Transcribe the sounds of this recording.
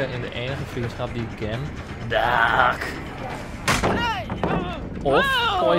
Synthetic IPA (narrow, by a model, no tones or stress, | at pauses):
ənɪndə̰ʔeːnəχəfriənsχɑp̚diɪkɡɛm | dak | ɔffɔ